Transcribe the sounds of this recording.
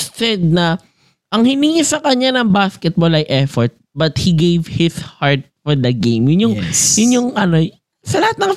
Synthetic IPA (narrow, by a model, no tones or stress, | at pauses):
sɛd̪̚nɐ | ʔɐŋhɪniŋisɐkɐɲanɐŋbaskɛt̪̚bolɐjʔɛfɔɹt̪̚bɐt̪̚hiɡejvhɪshaɹt̪̚fɔɹd̪ɐɡejmjʊnjʊŋjʊnjʊŋʔɐno | sɐlɐhat̪nɐŋ